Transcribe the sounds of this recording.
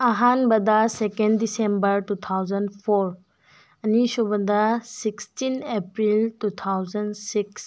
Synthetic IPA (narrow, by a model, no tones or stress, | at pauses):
ɐɦanbɐd̪ɐsekenːisembɐɾtut̪ʰawzɐnpʰoɾ | ɐnisubɐd̪ɐsikstinepɾiltut̪ʰawzɐnsiks